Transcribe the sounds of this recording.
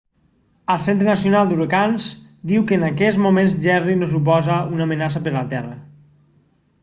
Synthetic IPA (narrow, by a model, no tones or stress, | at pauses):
əlˠsent̪ɾənasijonalˠd̪uɾəkanz | d̪iwkəːnakɛzmumẽnzʒɛrinos̬up̬ɔzəunaːmənas̬əpəɾlət̪ɛrə